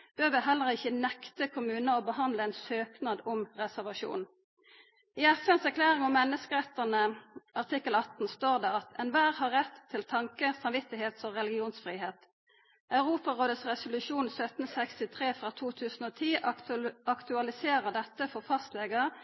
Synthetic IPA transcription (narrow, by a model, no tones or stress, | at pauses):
b̥øːʋəɦɛlːəʁɪçənɛkt̪əkʰʊmʉːnəoːbəhɑnd̪ləɛɪnsøːknɑd̪ʊmʁɛsæʁʋɑʃṵːn | iːɛfɛnsækʰlæːʁɪŋɔmːɛnːəskəʁɛt̪ːənəʔɑʁt̪ʰɪkːəlɑt̪n̩st̪oːʁd̪eːɑt̪ɛnʋæːʁhɑʁːɛt̪ʰːɪlt̪ʰɑŋkəsɑmʋɪt̪ɪɦeːt̪fɔʁɛlɪɡɪuːnsfʁiːɦeːt̪ | ʔɑʉʁuːpɑʁoːd̪əsʁɛsʊlʉʃuːnsœt̪n̩sɛkst̪ɪt̪ʰʁeːfʁɑːt̪ʰuːt̪ʰʉːsn̩oːt̪ʰiː | ɑkt̪ʉɑlɪseːʁəd̪ɛt̪ːəfɔʁfɑst̪leːɡə